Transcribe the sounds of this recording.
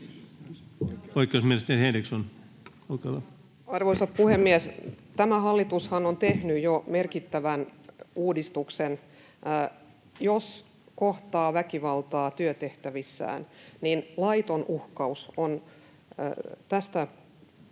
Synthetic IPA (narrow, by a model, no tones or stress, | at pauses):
oikˑeosmielest̪ehenrikson | oikelɑ | ɑrʋoisɑpuhemːiest̪æmæhɑlːit̪ushɑnont̪ehnyjjomerkit̪ːæʋænuːdist̪uksenː | jos | koht̪ɑːʋækiʋɑlt̪ɑːt̪yøt̪eht̪æʋisːæ̰ːnninlɑit̪onuhkɑuson̰ | t̪æst̪æ